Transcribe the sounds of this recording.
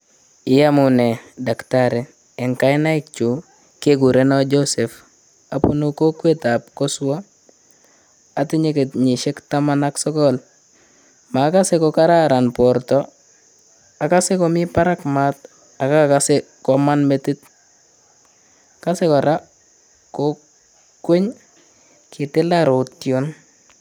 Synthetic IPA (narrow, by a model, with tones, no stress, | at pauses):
ɪ˨ja˦mu˨ne˨da˨ktaɾeː˨ | ŋka˦jna˦ɪ˦k̚t͡ʃu˨ | ke˦ɡu˨ɾe˦na˦d͡ʒose˨f | a˨pu˦nu˦ko˦kwe˦ta˨p̚ko˦su˦wa˦ | a˨ti˦ɲe˦ke˨tɲi˨ʃe˦kta˦ma˦na˦ksɔ˦kɔl | ma˨˦ka˦se˦kɔ˨ka˦ɾa˦ɾa˨npɔ˨ɾtɔ˦ | a˨ka˦se˦kɔ˨mɪ˦pa˦ɾa˦kma˦t̚ | a˨ka˦kka˦se˦kɔ˨ma˦nme˦tɪ˦t̚ | ka˦se˦kɔ˨ɾa˦ | ko | kwe˦ɲ | kʰɪ˨tɪ˦la˦ɾo˨tjo˦n